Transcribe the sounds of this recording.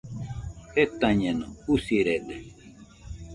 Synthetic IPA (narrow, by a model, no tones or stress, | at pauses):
het̪ãɲenousiɾed̪e